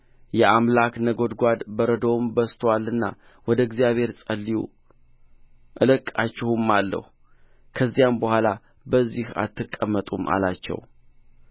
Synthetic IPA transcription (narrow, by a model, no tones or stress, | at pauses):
jɛʔamlaknəɡo̞d̪ɡʷad̪bəɾəd̪owmbəst̪ʰwalːɨnːa̰ | wɔd̪əɡzijaβhe̞ɾsʼəlːijṵ | ʔɨlɨkʼːat͡ʃːɪhumːalːə̰h | kʰəzːijambəhʷala | bəzːiha̰t̪ːɨkʼːəmːət̪ʼumʔa̰lat͡ʃːɛ̰w